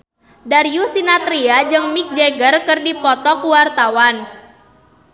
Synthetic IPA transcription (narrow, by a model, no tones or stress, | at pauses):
daɾiusinat̪ɾiad͡ʒɨŋmik̚d͡ʒeɡərkɨrdipɔt̪ɔkuwart̪awan